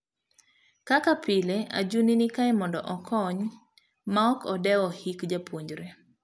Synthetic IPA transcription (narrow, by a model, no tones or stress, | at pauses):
kakapɪlea̰d͡ʒuninikaɛmɔndɔ̰ʔɔkʰɔɲ | maɔkʰɔdɛwɔhikd͡ʒapwoɲd͡ʒɾe